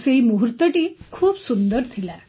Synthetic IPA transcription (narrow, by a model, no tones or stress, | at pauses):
seimuɦuɾt̪əʈiːkʰuːbsund̪əɾt̪ʰila